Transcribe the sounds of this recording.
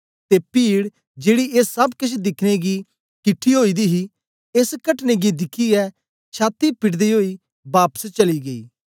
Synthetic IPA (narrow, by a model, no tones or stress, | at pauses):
t̪epiːɽ | d͡ʒeːɽieːsːɐbkʊt͡ʃʰd̪ɪkʰneɡi | kɪʈʰːiɦoːiːd̪iɦi | eskəʈneɡid̪ɪkʰiɛː | t͡ʃʰaːt̪ipɪʈd̪iɦoːiː | baːpə̥st͡ʃɐliɡɐḭː